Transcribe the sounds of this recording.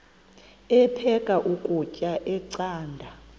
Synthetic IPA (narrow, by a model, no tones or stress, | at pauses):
ɛpʰɛkʼaʔukʼucʼaʔɛǀaːndʱa